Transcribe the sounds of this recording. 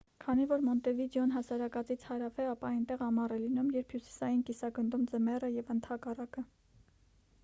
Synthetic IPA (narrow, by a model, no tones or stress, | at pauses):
kʰɑnivɔɾmɔnt̪ɛvid̪jɔnɦɑsɑɾɑkɑt͡sit͡sʰhɑɾɑfɛɑpɑɑjnt̪ɛʁɑmɑrɛlinumjɛɾpʰhjusi̥sɑjinkisɑɡənd̪umd͡zəmɛrəjɛvənt̪ʰɑkɑrɑkə